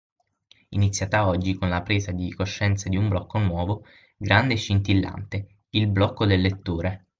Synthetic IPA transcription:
init̪sːjaːt̪aɔd͡ʒːikonlapɾeːzad̪ikoʃːɛnt̪sad̪iumblɔkːonwɔːvo | ɡɾand̪eʃːint̪ilːa̰nt̪e | ilblɔkːod̪elːet̪ːoːɾe

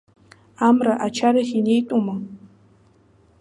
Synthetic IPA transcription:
amɾaʔat͡ʃʰaɾɪhɪɲɪjt̪ʼʊmaŋ

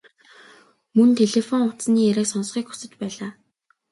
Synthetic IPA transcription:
mɵnt̪ʰeɮefɔŋʊt̪sniːæɾʲæ̆ːksɔnsχiːkxʊ̥sɘ̆t͡ɕpæːɮaː

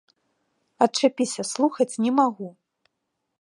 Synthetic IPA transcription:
ɐtt͡ʂapʲisʲɐslˠuxɐt͡sʲnʲɛmaɣu

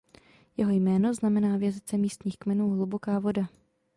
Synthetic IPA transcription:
jɛɦo̞jmɛːno̞znamɛnaːvjazɪt͡sɛmiːst̪ɲiːxkmɛnuːɦlubo̞kaːvo̞da

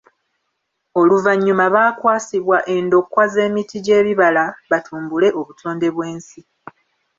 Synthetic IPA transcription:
o̞luvaɲːumaβaːkwaːsiβwaʔe̞ndo̞kːwaze̞ːmitiɟe̞ːβiβalaβatʰuːmbule̞ʔo̞βutʰo̞ːnde̞βwe̞ːnsi

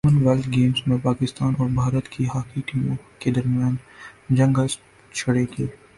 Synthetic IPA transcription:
mənʋɛlʈ̪ɡeːmsmẽpaːkɪst̪aːnɔːɾbʱaːɾət̪kʰiɦɐkiːkijõked̪ɐɾmijaːnd͡ʒɐ̃ŋɡə | t͡ʃʰɐɽeɡeː

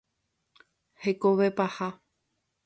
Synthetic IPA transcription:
hekoʋepaha

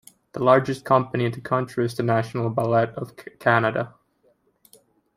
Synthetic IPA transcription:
ðəlɑɹd͡ʒɨskʰʌ̃mpəniɨ̃nðɨkʰʌ̃nt͡ʃɹ̥iɨzðɨnæʃn̩l̩ˠbəlɛɾʌv̥kʰænɨɾə̰

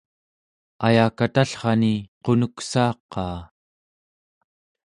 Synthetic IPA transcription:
ajaːkat̪aɬχɑniqo̞nuksɑːqːɑː

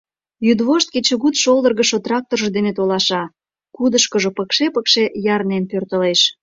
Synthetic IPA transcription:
jyd̪βoʃt̪̚ket͡ɕə̆ɣut̪ʃold̪ərɣə̆ʃot̪rɑk̚t̪orʒd̪enet̪olɑʃɑ | kud̪əʃkəʒopəkʃepəkʃejɑrnenpørt̪əleʃ

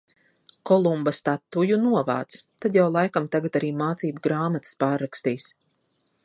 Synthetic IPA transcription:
kɔlˠumbast̪at̪ːujunuɔva̰ːt̪st̪ad̪jawlˠajkamt̪aɡat̪aɾiːmaːt̪siːbuɡɾaːmat̪ə̥spaːɾːakst̪iːs

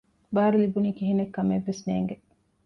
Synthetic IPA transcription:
baːɾulibuniːkiɦinekːɐmeʋːesnḛːŋɡe

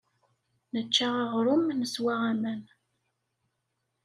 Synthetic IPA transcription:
nət͡ʃːaʁaʁɾʊmnəswaʁæmæn

